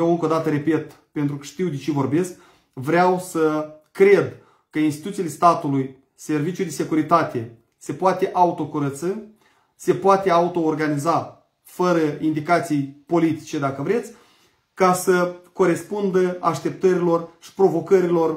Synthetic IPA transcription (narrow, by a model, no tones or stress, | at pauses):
jewɨŋkod̪at̪əɾe̞pe̞t̪ | pe̞nt̪ɾukəʃt̪iwd̪et͡ʃevo̞rbe̞sk | vɾeawsəkɾe̞d̪ | kəinst̪it̪ut̪sile̞st̪at̪uluj | se̞rvit͡ʃjud̪e̞se̞kuɾit̪at̪e̞ | se̞poat̪e̞ʔaut̪o̞kuɾət̪sɨ | se̞poat̪e̞aut̪o̞ːrɡaniza | fəɾəind̪ikat̪sijpo̞lit̪i̥t͡ʃe̞d̪akəvɾe̞t̪sʲ | kasəko̞ɾe̞spund̪əaʃt̪e̞p̚t̪əɾilo̞rʃi̥pɾo̞vo̞kəɾilo̞r